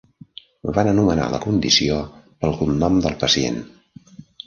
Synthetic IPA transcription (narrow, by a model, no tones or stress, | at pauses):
βanənuməna̰lə̰kund̪isiopəlˠɣunːɔmd̪əlˠpəsiḛn